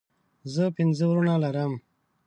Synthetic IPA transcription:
zəpinzəwɾunalaɾəm

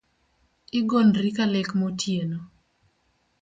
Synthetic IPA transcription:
ɪɡonɾikalekmotʰjeno

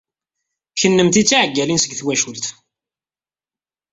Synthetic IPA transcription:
çənːəmt̪it͡sːiʕəɡːælinsəɡθwæʃult̪

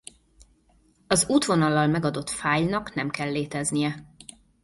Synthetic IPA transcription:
ɒzuːt̪ʋo̞nɒlːɒlmɛɡɒd̪o̞t̪faːjnɒkn̪ɛmkɛlːeːt̪ɛznijɛ

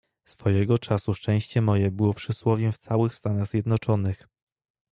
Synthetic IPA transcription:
sfɔjɛɡɔt͡ʂasuʂt͡ʂɛ̃w̃ɕt͡ɕɛmɔjɛbɘwɔpʂɘswɔvʲjɛft̪sawɘxst̪anaɣzʲjɛd̪nɔt͡ʂɔnɘx

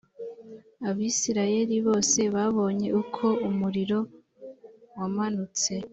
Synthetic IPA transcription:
aβiːsiɾaje̞ɾiβo̞ːse̞βaβo̞ːɲe̞ʔukʰo̞umuɾiɾo̞ | wamanut͡se̞

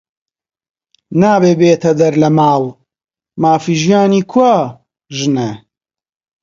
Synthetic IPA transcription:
naːbeːbeːt̪ʰɐd̪ɐɾlɐmaːw | maːfiːʒijaːniːkʰwa | ʒɨne

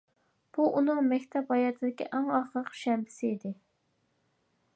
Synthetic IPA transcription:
b̥uʔunɨŋmɛkʲt̪ʰɛpɑjɑt̪ʰɨd̪ɪkʲḭʔæŋɑχɾəqʃɛmbɪ̥sɪid̪ɪ

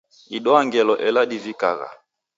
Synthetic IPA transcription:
iɗɔaŋɡɛlɔʔɛladivika̰ɣa̰

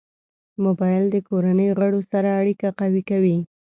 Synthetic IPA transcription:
mobɑjld̪əkoɾanəjoɣaɽosaɾaːɽikaqawikawi

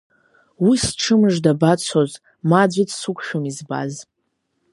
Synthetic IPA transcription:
wisʈ͡ʂʰɨmɨʐdabat͡sʷʰoz | mad͡ʒʷitʰsukʷʰʼʃᶣomizba̰z

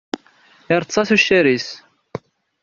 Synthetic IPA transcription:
ɪɾˤt͡sːˤɑθuʃːæɾis

